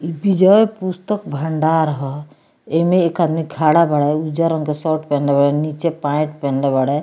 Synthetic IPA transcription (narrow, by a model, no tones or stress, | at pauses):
ibid͡ʒɔepust̪əkbʱəɳɖaɾɦɔ | emẽekad̪miɡʱaɽabəɽɛud͡ʒaɾɔ̃ŋkesɔʈpɛnlebəɽɛnit͡ʃepãɪ̃ʈ̚pɛnlebəɽɛ